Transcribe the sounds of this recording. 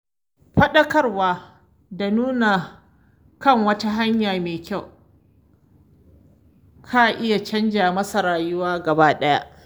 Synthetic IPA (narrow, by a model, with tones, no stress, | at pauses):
ɸɐ˦ɗɐ˦kɐ˦rwaː˦ | da˨nuː˦na˨ | kɐ˦˨ŋwɐ˦ta˦ɦa˦ɲjaː˨meː˨kʲa˦˨w | kʰa˦˨ʔɪ˦ja˨t͡ʃɐ˦nd͡ʒaː˨mɐ˦sɐ˨ɾaː˨jʊ˦waː˦ɡɐ˨baː˦ɗɐ˦ja̰˦ʔ